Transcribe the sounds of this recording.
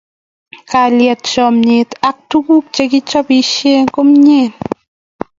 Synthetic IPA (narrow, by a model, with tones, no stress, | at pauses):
ka˨ljɛ˨t̚t͡ʃɔmɲe˨tak̚tuku˦k̚t͡ʃeki˦t͡ʃɔ˦piʃje˦ŋko˦mɲeː˦˨n